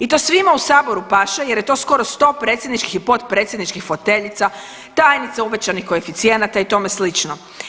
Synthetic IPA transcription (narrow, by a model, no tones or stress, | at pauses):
it̪o̞sʋimausaːbo̞ɾupaʃeje̞ɾje̞t̪o̞sko̞ɾo̞st̪o̞ːpɾet̪sʲjed̪nit͡ʃkixipo̞t̪pɾe̞t̪sʲjed̪nit͡ʃkixfo̞t̪e̞ʎit̪sa | t̪aːjnit̪seuʋet͡ɕanixkoefit̪sije̞nat̪ait̪o̞meslit͡ʃno